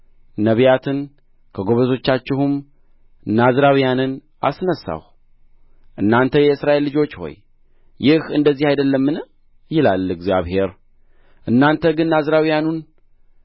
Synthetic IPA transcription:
nəβijat̪ʰɨn | kʰəɡo̞βəzo̞t͡ʃːat͡ʃːɪhum | nazɾawijanɨn | ʔasnəsːa̰h | ʔɨnːant̪ʰəjɛɨsɾaʔe̞lːɨd͡ʒo̞t͡ʃːho̞̰j | jɪhɨnd̪əzːihajd̪əlːəmːɨn | jɪlalɨɡzijaβhe̞ɾ | ʔɨnːant̪ʰəɡɨnːazɾawijanun

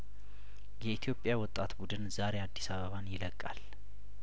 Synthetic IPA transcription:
jɛit̪ʰjo̞pʼːjawɔt̪ʼːat̪bud̪ɨnzaɾe̞ad̪ːisaβəβanjɪləkʼːa̰l

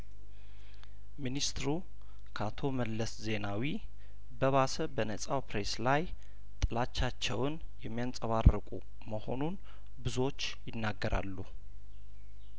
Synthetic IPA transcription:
minist̪ɨɾu | kʰat̪ʰo̞məlːəsze̞nawi | bəβasəbənəsʼawpɾe̞slaj | t̪ʼɨlat͡ʃːat͡ʃːɛwn | jɛmːijant͡sʼəβarːɨkʼṵ | məho̞nun | bɨzo̞t͡ʃːjɪnːaɡːəɾʔa̰lːu

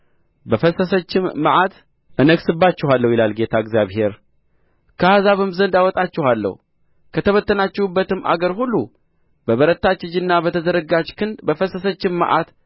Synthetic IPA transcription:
bəfəsəsət͡ʃːɪmːəʔat̪ | ʔɨnəɡsɨbːat͡ʃːɪɦalːəwjɪlalɡe̞t̪ʰaɨɡzjaβhe̞ɾ | kʰəhazaβɨmzənd̪awɔt̪ʼat͡ʃːɪhalːə̰h | kʰət̪ʰəβət̪ːənat͡ʃːɪhubːət̪ɨmʔa̰ɡəɾhulːu | bəβəɾət̪ːat͡ʃːɪd͡ʒɨnːabət̪ʰəzəɾəɡad͡ʒkʰɨnd̪bəfəsəsət͡ʃːɪmːə̰ʔa̰t̪

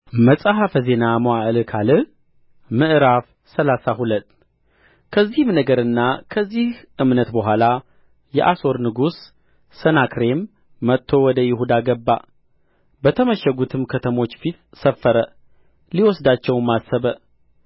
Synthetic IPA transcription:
məsʼaɦafəze̞namoaʔlkʰalɨ | mɨʔɨɾaf | səlasaɦulət̪ː | kʰəzːihɨmnəɡəɾɨnːakʰəzːihʔɨmnət̪bəɦʷala | jɛ̰ʔaso̞ɾnɨɡusː | ənakɾe̞mː | ət̪ʰːo̞wɔd̪əjɪhud̪aɡəbːa | bət̪ʰəməʃəɡut̪ʰɨmkʰət̪ʰəmo̞t͡ʃːfit̪səfːəɾə | liwɔsd̪at͡ʃːɛwmasəβə

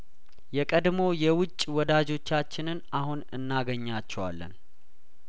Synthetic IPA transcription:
jɛkʼəd̪mo̞jɛwʊt͡ʃʼːwɔd̪ad͡ʒo̞t͡ʃːat͡ʃːɪnɨnahunɨnːaɡəɲːat͡ʃːɛwa̰lːə̰n

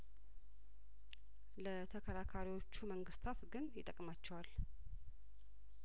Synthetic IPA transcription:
lət̪ʰəkʰəɾakʰaɾiwo̞t͡ʃːuməŋɡɨst̪ʰat̪ɡɨnjɪt̪ʼəkʼmat͡ʃːɛwal

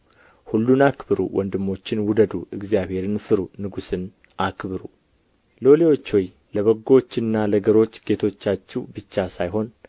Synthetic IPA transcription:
hulːunakbɨɾṵwʔɔnd̪ɨmːo̞t͡ʃːɪnwʊd̪əd̪uɨɡzjaβhe̞ɾɨnfɨɾunɨɡusɨn | ʔakbɨɾu | lo̞lewo̞t͡ʃːwɔj | ləβəɡːo̞t͡ʃːɨnːaləɡəɾo̞t͡ʃːɡ̥e̞t̪ʰo̞t͡ʃːat͡ʃːɛwbɨt͡ʃːasajɦo̞n

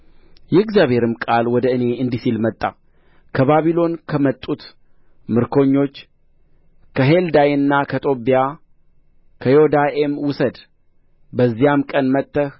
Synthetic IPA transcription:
jɛɨɡzjaβhe̞ɾɨmkʼalwɔd̪əɨne̞ɨnd̪isilmət̪ʼːa̰ | kʰəβaβilo̞nkʰəmət̪ʼːut̪ | mɨɾkʰo̞ɲːo̞t͡ʃː | kʰəɦeld̪ajɨnːakʰət̪ʼo̞bija | kʰəjod̪aʔemwʊsəd̪ | bəzːijamkʼənmət̪ʼːəh

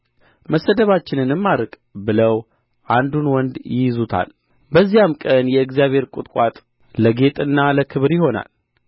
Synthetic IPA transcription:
məsːəd̪əβat͡ʃːɪnɨnɨmːaɾɨkʼ | bɨləw | ʔand̪unwɔnd̪jɪjzut̪ʰa̰l | bəzːijamkʼənjɛɨɡzijaβhe̞ɾkʼʊt̪ʼkʼat̪ʼ | ləɡe̞t̪ʼɨnːaləkʰɨβɾjɪho̞na̰l

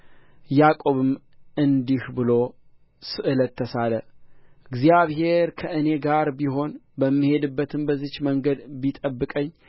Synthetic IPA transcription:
jakʼoβɨm | ʔɨnd̪ihbɨlo̞ | sɨʔɨlət̪ʰːəsaləɨɡzijaβɦe̞ɾkʰəʔɨne̞ɡaɾbiɦo̞nbəmːɨhe̞d̪ɨbːət̪ʰɨmbəzɨt͡ʃməŋɡəd̪bit̪ʼəbːɨkʼəɲː

